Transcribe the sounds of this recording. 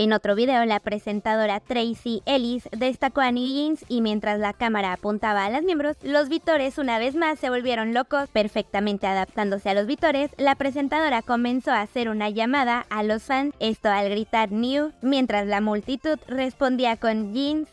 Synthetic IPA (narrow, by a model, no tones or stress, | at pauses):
e̞no̞t̪ɾo̞β̞iðe̞olapɾe̞se̞nt̪að̞o̞ɾat̪ɾejsiʔe̞lisðe̞st̪ako̞aniʝinsimje̞nt̪ɾazlakamaɾaːpunt̪aβaːlazmje̞mbɾo̞slo̞zβit̪o̞ɾe̞sunaβ̞e̞zmasːe̞βo̞lβje̞ɾo̞nlo̞ko̞spe̞ɾfe̞k̚t̪amẽnt̪e̞aðap̚t̪and̪o̞se̞alo̞zβit̪o̞ɾeslapɾe̞s̬e̞nt̪aðo̞ɾako̞mẽ̞nso̞ase̞ɾunaʝamaðaʔalo̞sfanse̞st̪o̞alɣɾit̪aɾnjumje̞nt̪ɾazlamult̪it̪uðre̞spo̞nd̪iako̞nʝins